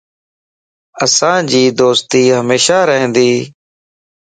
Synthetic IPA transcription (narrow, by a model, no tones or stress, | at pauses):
əsãːd͡ʒiːd̪oːst̪iːɦəmeːʃaːɾəɦə̃nd̪iː